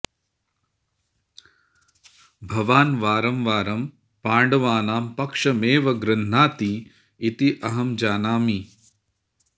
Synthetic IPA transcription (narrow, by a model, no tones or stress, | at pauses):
bʱɐʋaːnʋaːɾɐmʋaːɾɐm | paːɳɖɐʋaːnaːmpɐkʂɐmeːʋɐɡɾɐn̤ːaːt̪i | it̪iʔɐɦɐmd͡ʒaːnaːmi